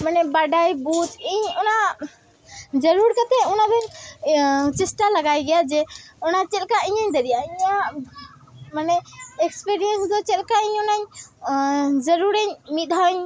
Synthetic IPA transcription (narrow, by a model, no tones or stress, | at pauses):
manɛbaɖajbut̪iɲɔna | d͡ʒəɾuɾkat̪ɛunabʱɛɾ | t͡ʃɛsʈalaɡajɡɛjad͡ʒɛɔnat͡ʃɛlkaiɲaɲd̪əɾijaiɲa | manɛekspiɾijənsd̪ɔt͡ʃɛlkaəɲɔnaɲ | d͡ʒəɾuɾəɲmid̪ʱaɲ